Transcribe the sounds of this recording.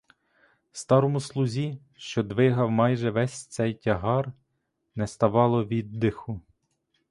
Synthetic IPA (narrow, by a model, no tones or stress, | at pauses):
st̪ɑɾɔmʊslˠʊzʲi | ʃt͡ʃɔd̪ʋɪɦɐwmɑjʒɛʋɛsʲt̪sɛjtʲɐɦɑr | nɛst̪ɐʋɑlˠɔʋʲid̪ːɪxʊ